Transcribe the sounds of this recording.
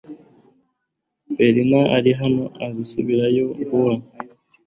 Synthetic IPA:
beɾinaʔaɾiɦanoʔazisuβiɾajoɡuwa

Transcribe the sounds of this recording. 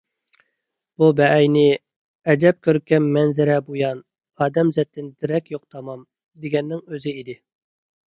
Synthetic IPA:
b̥ubɛɛjnɪ | ɛd͡ʒ̪ɛp̚kʲʰøɾkʲʰːɛmːɛnzɪɾɛbojɑn | ɑːd̪ɛmzɛt̪ʰːɪnd̪ɪɾɛkʲjoq̚t̪ʰɑmɑm | d̪eɡʲɛnːɪŋøzɪid̪ɪ

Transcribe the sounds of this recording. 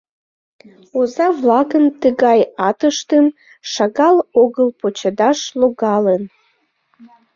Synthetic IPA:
ozɑβlɑɣənt̪əɣɑjɑt̪əʃt̪ən | ʃɑɣɑloɣəlpot͡ɕəd̪ɑʃloɣɑlən

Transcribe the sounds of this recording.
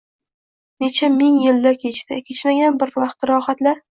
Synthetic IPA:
ne̞t͡ʃʰamɪŋjɪld̪akʲʰet͡ʃd̪akʲʰe̞t͡ʃmaɡʲanbɪɾvɑqt̪ɾɒχat̪laɾ

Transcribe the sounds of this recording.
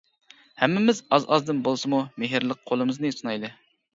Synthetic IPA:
hɛmːɪmɪzɑzɑzd̪ɨnbolˠsɨmumeɦiɾlˠəq̚qʰolˠɨmɨznɨisunɑjlˠɨ

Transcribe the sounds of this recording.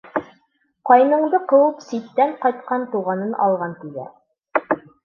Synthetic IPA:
qɒjnɤ̆ɴd̪ɤqɤ̆wɤpsit̪ːæɴqɒjt̪qɑnt̪uʁɑnɤnʔɒ̰lˠʁɑnt̪iɡ̪æ̰

